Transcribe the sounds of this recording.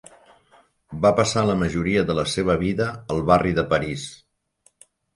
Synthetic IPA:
bapəsaləməʒuɾiəðələseβ̞əβ̞iðəːlˠβariðəpəɾis

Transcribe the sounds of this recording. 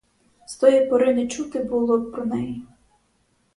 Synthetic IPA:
st̪ɔjipɔɾɪnɪt͡ʃut̪ɪbulˠɔpɾɔnɛji

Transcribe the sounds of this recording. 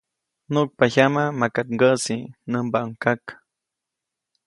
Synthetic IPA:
nuk̚paçamamakat̪ŋɡəsinəmbaʔəŋkak

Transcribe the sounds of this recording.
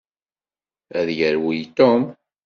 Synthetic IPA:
æðjəɾwijt̪om

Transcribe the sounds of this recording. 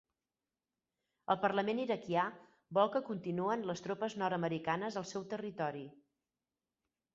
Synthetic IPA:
əlˠpərləmeniɾəkia | bɔlˠkəkunt̪inuənləst̪ɾopəznɔɾəməɾikanəzəlˠsɛwt̪ərit̪ɔɾi

